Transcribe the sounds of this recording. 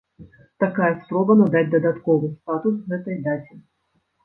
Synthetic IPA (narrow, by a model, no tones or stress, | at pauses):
t̪akajɐspɾɔbɐnɐd̪ad͡zʲd̪ɐd̪at̪kɔvɨst̪at̪usɣɛt̪ɐjd̪at͡sʲɛ